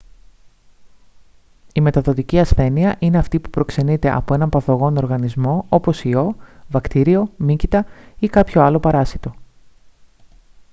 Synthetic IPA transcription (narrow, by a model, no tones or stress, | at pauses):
ime̞t̪ɐðo̞t̪iciɐsθe̞niɐʔine̞ɐft̪ipupɾo̞kse̞nit̪e̞ʔɐ̰po̞e̞nɐmpɐθo̞ɣo̞no̞ɾɣɐnizmo̞o̞po̞sio̞vɐkt̪iɾio̞micit̪ɐikɐpço̞ɐlo̞pɐɾɐsit̪o̞